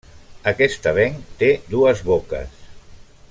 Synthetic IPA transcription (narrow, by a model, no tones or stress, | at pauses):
əkɛst̪əβɛŋt̪ed̪uəzβokə̰s